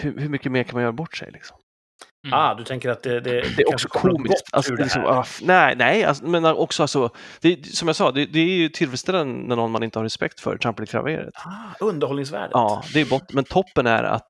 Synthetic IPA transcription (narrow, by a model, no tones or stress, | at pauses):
hʉhɵmʏkːəmeːɾkʰanmanjœːɾabɔʈːʂɛ̰jlɪ̰ksɔ̥m | aːd̪ɵt̪ʰɛŋkəɾat̪̚d̪ɛd̪ɛd̪ɛɛɾɔksɔkʰuːmɪst̪a̰lsɔlɪksɔ̰mnɛnɛɪa̰smɛnʔɔksɔalsɔd̪̥ɛsɔmjaɡsɑːd̪ɛd̪ɛæɾjɵt̪ʰɪlfɛlst̪ɛlːənnæɳɔnːmanɪnt̪əhaɾɛspɛ̰kt̪fœ̰ɾtʰɾampːəlɪkʰɾa̰vḛːɾə̰t̪ɵnd̪əɾɔlnɪŋsvæ̰ːɖəɑːd̪ɛæɾjəbɔt̪ːmɛnt̪ʰɔpːənæ̰ɾa̰t̪